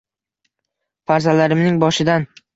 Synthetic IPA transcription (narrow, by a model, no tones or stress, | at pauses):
faɾzalaɾɪmnɪŋbɒʃɪd̪an